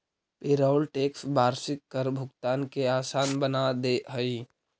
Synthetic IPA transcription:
pɪɾaːlʈeːksbaːɾsɪkːəɾbʱʊɡt̪aːnkeaːsaːnbənad̪eɦəi

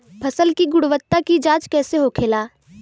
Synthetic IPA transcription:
pʰɐsəlkiɡʊɽʋət̪ːakid͡ʒaːt͡ʃkɛːseɦokʰeːlaː

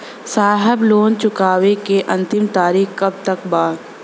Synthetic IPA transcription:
saːɦɛbloːnt͡ʃʊkaːʋekeʔɐ̃nt̪ɪmt̪aːɾiːxkɐb̚t̪ɐkbaː

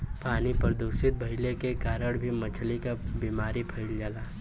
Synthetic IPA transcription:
paːnipəɾd̪uːsɪt̪̚bʱɐɦɪlekekaːɾəɽbʱimət͡ʃʰlikabiːmaːɾipʰɐɪld͡ʒaːlaː

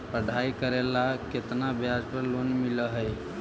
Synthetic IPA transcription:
pəɖʱaikəɾelaket̪nabjad͡ʒpəɾlonmiləɦəj

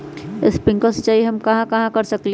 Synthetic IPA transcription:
ɪspɪ̃ŋkəɾse̥t͡ʃaːɦiɦɐmkɐɦãkɐɦãkɐɾsəkle

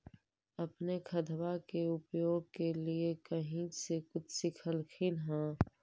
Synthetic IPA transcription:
ɐpnekʰəd̪ʱʋakeʊpjoːɡ̚keliekəɦĩsekʊt͡ʃʰsɪkʰəlkʰilɦãː

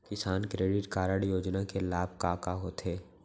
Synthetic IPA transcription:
kɪsaːnkɾeːɖɪʈkaːɾəɽjoːd͡ʒnakelaːb̚ʱkaːkaɦoːt̪ɦeː

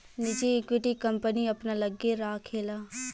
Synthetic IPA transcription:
nɪd͡ʒiːkʋɪʈikəmpəniɐpnaːləɡːeɾaːkʰeːlaː

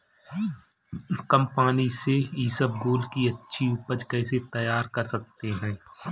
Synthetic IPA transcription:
kɐmpaːniseisəb̚ɡoːlkiɐtːʃʰiʊpəd͡ʒkɛːset̪ɐjaːɾkɐɾsɐk̚t̪eɦɛ̃ː

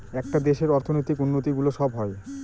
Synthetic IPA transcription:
ɛk̚ʈad̪eʃeɾɔɾt̪ʰonojt̪ikunːot̪iɡuloʃɔbɦɔe

